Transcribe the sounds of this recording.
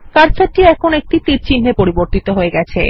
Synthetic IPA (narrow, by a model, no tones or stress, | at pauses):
kaɾsaʈiɛkʰonek̚ʈit̪iɾt͡ɕin̤ːepoɾiboɾt̪it̪oɦoeɡɛt͡ɕʰḛ